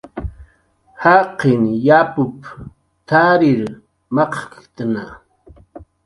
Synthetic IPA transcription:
haqɪnjapʊp | t̪aːɾɪɾ | mɑqkt̪ana

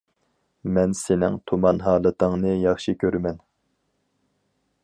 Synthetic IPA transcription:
mɛnsenɪŋt̪ʰumɑnɦɑːlˠɨt̪ʰəŋnɨjɑχʃikʲʰøɾmɛn

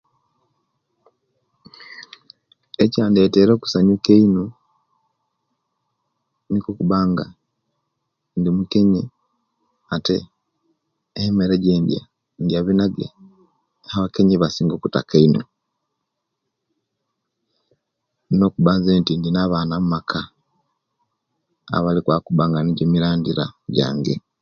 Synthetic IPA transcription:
ecaːndieteːɾoːku̥saɲukeinu | nikokuβaːŋɡa | ndimukeɲi | atḛ | meɾeɟeːndja̰ | ndjaβinaðja̰ | aβake̞ɲiβasiːŋɡokutakaino̰ | nokuβaːnzeːntindinaβaːnamumakʰa | a̰βalikwakuβaːŋɡaniɟemiɾaːndiɾa̰ɟa̰ːŋɡe

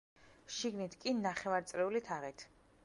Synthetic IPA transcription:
ʃiɡnit̪ʰkʼinaχɛvaɾt̪sʼlɛulit̪ʰaʁɛt̪ʰ

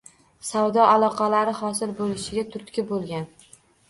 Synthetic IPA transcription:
sawd̪ɒʔalˠɒqʰɑlaɾɪhɒsɪlbolɪʃɪɡʲat̪ʰʊɾt̪kʲɪbolˠɡʲan

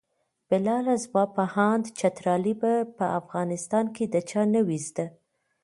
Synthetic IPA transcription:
b̥ɪlɑlazmɑpahɑnd̪t͡ʃat̪ɾɑlibapəʔafɣɑnɪst̪ɑnked̪ət͡ʃɑnəwizd̪a

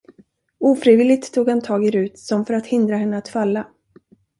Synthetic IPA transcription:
uːfɾivɪlɪɡ̚t̪ʰːuːɡhant̪ʰɑːɡɪɾʉ̟ːt̪sɔmfœɾat̪hɪnd̪ɾaɦɛnːəat̪falːa

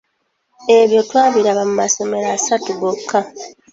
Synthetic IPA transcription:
e̞βjo̞twaːβiɾaβamumaso̞me̞ɾaːsatuɡokʰːa

